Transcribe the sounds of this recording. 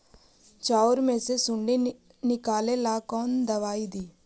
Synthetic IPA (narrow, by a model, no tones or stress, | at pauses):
t͡ʃaːwɾmeːsesuɳɖi | nikaːlelaːkoːnd̪ɐʋaːjid̪i